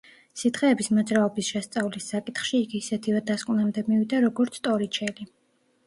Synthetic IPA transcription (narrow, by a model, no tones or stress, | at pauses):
sit̪χɛːbismɔd̪zɾaɔbisʃɛst̪sʼavlisːakʼit̪χʃiːɡiːsɛt̪ʰivɛd̪askʼvnamd̪ɛmivid̪aɾɔɡɔɾt̪sʰt̪ʼɔɾit͡ʃʰɛli